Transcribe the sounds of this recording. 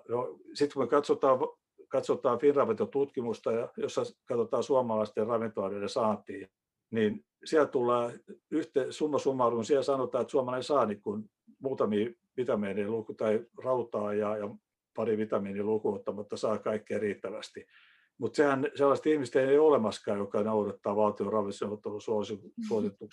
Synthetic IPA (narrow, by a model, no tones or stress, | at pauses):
nosit̪kumekɑt̪sot̪ɑːʋ | kɑt̪sot̪ɑːfinrɑʋet̪ːot̪ut̪kimust̪ɑjɑjosːɑkɑt̪ot̪ɑːsuɑmɑlɑist̪errɑʋint̪oɑnenesɑːnt̪iː | nin | siælt̪ulːɑːyht̪esumːɑsumːɑuruunsiælsɑnot̪ɑːet̪suɑmelɑisɑːnikkun | muːt̪ɑmiː | ʋit̪ɑmeːneːlukut̪ɑirɑut̪ɑːjɑːjɑ | pɑriʋit̪ɑmiːnilukuot̪ːɑmɑt̪ːɑsɑːkɑikːeːriːt̪ːæʋæst̪i | mut̪sehænselːɑst̪ihmist̪eineiolemɑskɑːjokɑnourɑt̪ːɑːʋɑlt̪iorɑʋiseot̪ːosuɑsiusuosit̪ːuks